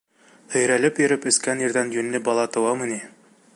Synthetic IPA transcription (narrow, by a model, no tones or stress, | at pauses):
hɵ̆jɾælɘpjɵ̆ɾɘpɵ̆skænĭɾðænjɵ̆nːɘbɑlˠɑt̪ɤ̆wɑmɤ̆ni